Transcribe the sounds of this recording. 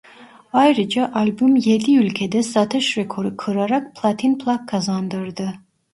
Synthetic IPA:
ajɾɯd͡ʒaʔalʲbymjed̪iylʲcʰed̪ɛsat̪ʰɯʃɾekʰo̞ɾɯkʰɯɾaɾak̚pʰlˠat̪ʰinpʰlˠakkʰːazand̪ɯɾd̪ɯ

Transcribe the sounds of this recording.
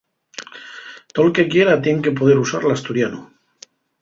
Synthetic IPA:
t̪olke̞kje̞ɾat̪je̞ŋke̞p̬o̞ð̞e̞ɾusaɾlast̪uɾjanu

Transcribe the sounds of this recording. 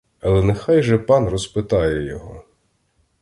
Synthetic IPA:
ɐlˠɛnɛxɑjʒɛpɑnrɔspɪt̪ɑjɛjɔɦɔ

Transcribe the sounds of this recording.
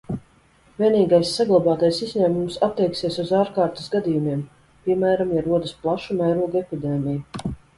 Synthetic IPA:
vʲiɛniːɡajsːaɡlˠabaːt̪ajsizʲɲæːmumsat̪ːɛjksiɛsuzaːɾkaːɾt̪ḁsɡad̪ijumiɛm | pʲiɛmæːɾamjaɾuɔd̪asplˠaʃumajɾuɔɡepʲid̪eːmʲiju

